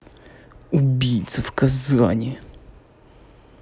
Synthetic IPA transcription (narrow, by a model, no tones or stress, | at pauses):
ubʲijt̪səfkɐzɔ̰nʲɪ